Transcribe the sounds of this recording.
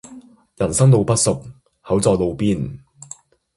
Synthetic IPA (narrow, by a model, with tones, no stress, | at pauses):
jɐ˨˩nsɐ˥ŋlo˨˧wpɐ˥t̚sʊ˨k̚ | hɐ˨˥wt͡sɔː˧lo˨˧wpiː˥n